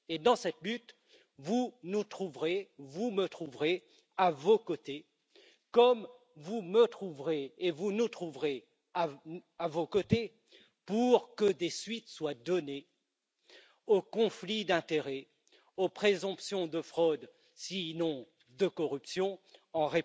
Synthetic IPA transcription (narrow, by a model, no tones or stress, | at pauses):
ed̪ɑ̃sɛt̪lyt̪ | vunut̪χuvʁevumət̪χuvʁe | avokot̪e | kɔm | vumət̪χuvʁeːvunut̪χuvʁe | aavokot̪e | puʁkəd̪esɥit̪swad̪ɔne | okɔ̃flid̪ɛ̃t̪eʁɛ | opχezɔ̃psjɔ̃d̪əfχɔd̪ | sinɔ̃ | d̪əkɔʁypsjɔ̃ɑ̃ʁe